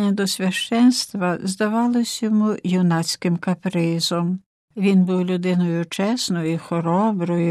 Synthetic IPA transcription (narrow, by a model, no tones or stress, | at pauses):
nʲɐd̪ɔsʲʋʲɐʃt͡ʃɛnst̪ʋɐzd̪ɐʋɑlˠɔsʲjɔmujiwnɑt͡sʲkɪmkɐpɾɪzɔm | ʋʲinbuwlʲʊd̪ɪnɔjʊt͡ʃɛsnɔjixɔɾɔbɾɔjʊ